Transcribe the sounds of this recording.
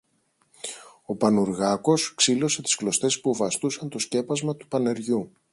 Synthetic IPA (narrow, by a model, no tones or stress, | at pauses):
o̞pɐnuɾɣɐko̞sksilo̞se̞t̪i̥sklo̞st̪e̞spuvɐst̪usɐnt̪o̞sce̞pɐzmɐt̪u̥pɐne̞ɾʝu